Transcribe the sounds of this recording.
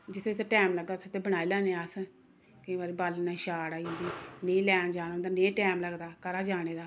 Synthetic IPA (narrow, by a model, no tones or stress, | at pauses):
d͡ʒɪt̪ʰːet̪ʰeːʈɛːmləɡd̪aːt̪ʰʊt̪ʰːeːbəɽ̃aːiːlɛːneːas | kɪbaːɾiːbaːlnãːʃaːɽaːid̪iːneĩːlɛːnd͡ʒaːnõːnd̪aːnẽːʈɛːmləɡd̪aːkəɾaːd͡ʒaːɽ̃eːd̪aː